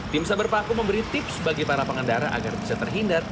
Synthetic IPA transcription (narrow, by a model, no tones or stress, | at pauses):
t̪ɪmsabərpakuməmbəɾit̪ɪpsbaɡipaɾapəŋəndaɾa̰ʔa̰ɡarbisat̪ərɦindar